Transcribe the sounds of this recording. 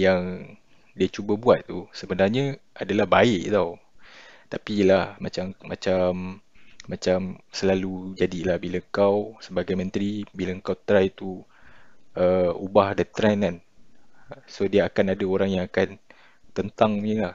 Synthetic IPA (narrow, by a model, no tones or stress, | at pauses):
jaŋ | diat͡ʃubəbuat̪̚ːusəbənarɲəʔadalahbaɪʔt̪aw | t̪apilahmat͡ʃammãt͡ʃamːãt͡ʃamsəlalud͡ʒadilahbilaəŋkawsəbaɡajmə̃nt̪ɾibilaəŋkawt̪ɾajt̪u | əubahdat̪ɾɛnan | sodiaakanadaoɾaŋjaŋakan | t̪ənt̪aŋɲəlah